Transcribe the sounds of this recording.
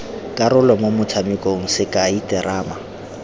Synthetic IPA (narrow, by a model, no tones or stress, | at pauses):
kʼaɾʊlɔmomʊt͡sʰamɪkʼoŋ̩sɪkʼaitɪɾaːma